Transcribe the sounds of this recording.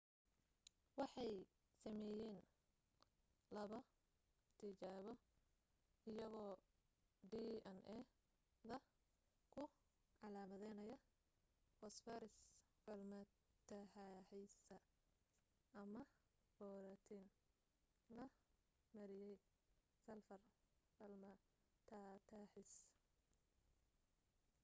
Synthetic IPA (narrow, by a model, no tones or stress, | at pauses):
wɑħɑj | sɐmɛːjɛːn | lɐβɐ | t̪ʰɪt͡ʃaːβɔ | ɪjɐɣɔː | ɖiːɐnʔɛ | ðɐ | kʰʊ | ʕɑlaːmɐðɛjnɐjɐ | hɔsfɛɾɪs | ʕʊlmɐ | t̪ʰɐħaħɛjsɐ | ɐmɐ | b̥ɔːɾɐt̪ʰin | lɐ | mɐɾɪjɛj | sɐlfɐrfɐlmɐ | t̪ʰat̪ʰaħɪs